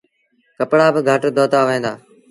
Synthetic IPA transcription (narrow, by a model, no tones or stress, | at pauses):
kəpɽaːbɪɡʱəʈd̪oːt̪aːʋẽːd̪aː